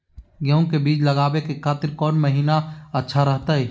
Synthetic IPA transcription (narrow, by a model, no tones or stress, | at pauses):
ɡeõkebiːt͡ʃlɐɡaːbekekʰaːt̪ɪɾkɔːnməɦiːnaɐtːʃʰaɾɐɦt̪aɦɛː